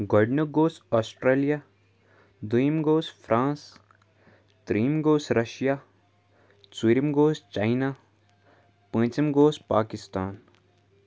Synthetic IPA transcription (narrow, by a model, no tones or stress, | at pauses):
ɡɔːɖnəɡoːsɔːsʈɾeːlijaː | d̪ujimɡoːsfʰɾãːs | t̪ɾiːmɡoːsɾɐʃjaː | swiɾimɡoːst͡ʃaːɪnaː | pə̃ːt͡ʃəmɡoːspaːkɪst̪aːn